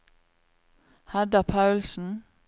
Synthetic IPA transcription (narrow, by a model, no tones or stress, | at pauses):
hɛd̪ɑpʰɑʉlsn̩